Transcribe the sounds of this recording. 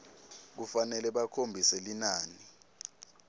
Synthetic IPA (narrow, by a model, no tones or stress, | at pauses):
k̬ufanɛlɛɓakʰombʱisɛlinaːni